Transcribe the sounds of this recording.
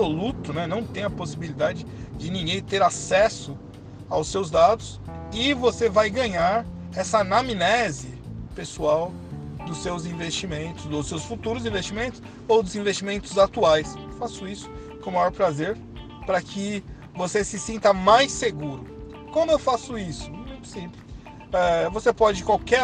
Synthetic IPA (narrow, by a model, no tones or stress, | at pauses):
solut̪ʊnɛnɐ̃w̃t̪ẽj̃ɐposibilid̪ad͡ʒɪd͡ʒɪnĩŋɡẽj̃t̪eɾasɛsʊ | awsewzd̪ad̪ʊs | ɪvosevajɡɐ̃ɲaɾ | ɛsɐnaminɛzɪpesuaw | d̪ʊsːewzĩvest͡ʃimẽnt̪ʊ̥soʊsewsfut̪uɾʊzĩvest͡ʃimẽnt̪ʊ̥s | owd̪ʊzĩvest͡ʃimẽnt̪ʊzat̪uajsewfasʊisʊ̥ | kõmajɔɾpɾazeɾ | pɾɐkʰɪ | vosesɪsĩnt̪ɐmajseɡuɾʊ | kwɐ̃nd̪ʊewfasʊisʊ̥mẽj̃ʊ̥sĩpɪ | ɛvosepɔd͡ʒɪkwawkɛ